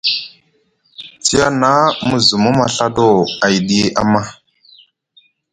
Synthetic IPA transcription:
t͡si˦a˦na˦mu˦zu˨mu˦ma˨ɬa˦do˦˨a˨jɗi˦e˦ʔa̰˦ma˦

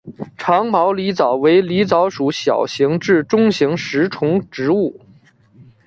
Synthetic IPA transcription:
ʈ͡ʂʰɑ˧˥ŋmɑ˧˥ʊli˧˥t͡sɑ˨˩ʊwe˧˥ɪli˧˥t͡sɑ˧˥ʊʂu˨˧˥ɕjɑ̰˨˩ʊɕi˧˥ŋʈ͡ʂɻ̩˥˩ʈ͡ʂʊ˥ŋɕi˧˥ŋʂɻ̩˧˥ʈ͡ʂʰʊ˧˥ŋʈ͡ʂɻ̩˧˥u˥˩

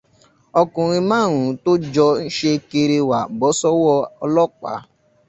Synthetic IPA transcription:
ɔ˧kũ˨ɾ̃ĩ˧mãː˦˨ɾ̃ũ˨˦to˦d͡ʒɔ˧n̩˦ʃe˧ke˧ɾe˧wa˨bɔ˨˦sɔ˦wɔ˧ɔ˧lɔ˦˨k͡pa̰˨˦

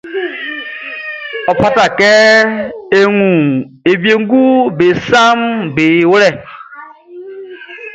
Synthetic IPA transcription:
ɔ˨pʰa˦ta˨kɛ˦ | e˦ŋu˨ | e˨bje˨ŋ˦ɡu˦be˨sa˦mbe˨˦wɾɛ˦˨

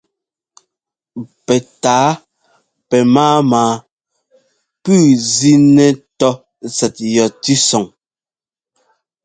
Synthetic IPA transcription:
pɛ˨taː˨˦ | pɛ˨maː˦maː˨ | pʉː˦˨zi˦nɛ˨tɔ˦ | sɛ˨t̚jɔ˨ti˦sɔ˨ŋ

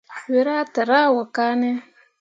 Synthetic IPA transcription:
ħwi˨ɾaː˦t̪a˨ɾa˦wa˨kaː˦ne˦

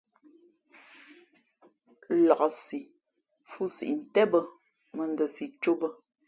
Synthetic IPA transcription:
lɔ˨ʔɔ˨si˨ | fu˦sḭ˨ʔn̩˨tɛ˦bə˦ | mə˨n˦də˨si˨t͡ʃo˦bə˦

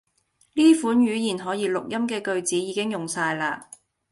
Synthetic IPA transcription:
liː˥fuː˨˥nɥyː˨˥jiː˨˩nɦɔː˨˥jiː˨˧˥lʊ˨k̚jɐ˥mkɛː˧kɵ˧ɥt͡siː˨˥jiː˨˥kɪ˥ŋjʊ˨ŋsaː˧jlaː˧

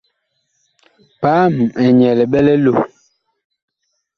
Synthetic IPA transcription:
paː˦m˨ɛ˨ɲɛ˨lɛ˨ɓɛ˦lɛ˦lo˨

